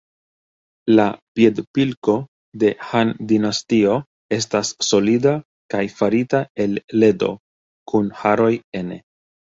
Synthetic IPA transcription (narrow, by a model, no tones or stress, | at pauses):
lapie̞dpilko̞ | de̞handinastio̞ | e̞s̬tasːo̞lida | kajfaɾitae̞lːe̞do̞̰ | kunhaɾo̞je̞ne̞̰